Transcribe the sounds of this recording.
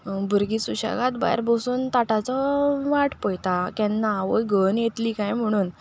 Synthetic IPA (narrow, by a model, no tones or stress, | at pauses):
bʱuɾɡisuɕa̰ɡat̪ba̰jɾbosuːnt̪aʈat͡sɔʋaʈpəjt̪akɛ̃nːaʋəjɡʱənjet̪liːkajm̤əɽ̃uːn